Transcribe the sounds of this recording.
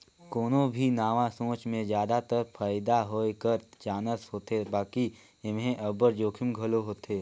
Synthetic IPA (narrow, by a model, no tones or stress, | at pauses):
koːnõbʱinaːʋãsõːt͡ʃmẽzjaːd̪at̪əɾpʰaːɪd̪aɦoːekəɾd͡ʒaːnəsɦoːt̪ebaːki | ɪmɦẽʔəbəɾd͡ʒoːkʰɪmɡʱɐloɦoːt̪eː